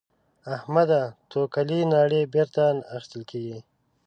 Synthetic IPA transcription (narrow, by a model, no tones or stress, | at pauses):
ahmad̪at̪ʰokalinɑːɽebeɾt̪anaxɪ̥st̪əlkeːɡi